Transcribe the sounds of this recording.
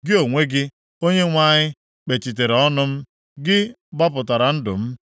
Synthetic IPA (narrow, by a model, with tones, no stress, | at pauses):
ɡɪ˦o˨ŋʷe˦ɡɪ˦ | o˦ɲe˦ŋʷa˦ɲɪ˦ | k͡pe˨t͡ʃi˨t̬e˨ɾe˨ɔ˦nʊ˦m̩˦ | ɡɪ˦ | ɡ͡ba˦pʊ˨ta˨ɾa˨n̩˦dʊ̰˨m̩˦